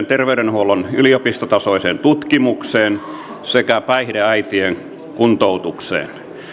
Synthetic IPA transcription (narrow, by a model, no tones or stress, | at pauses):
nt̪erʋeyɾenhuolonyliopist̪ot̪ɑsoˑiseːnt̪ut̪kimukseːn | sekæpæihdeæit̪ieŋ | kunt̪out̪uksḛːn